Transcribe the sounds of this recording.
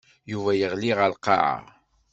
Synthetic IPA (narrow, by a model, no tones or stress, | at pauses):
juvæjəʁliʁəlqɑ̰ʕa̰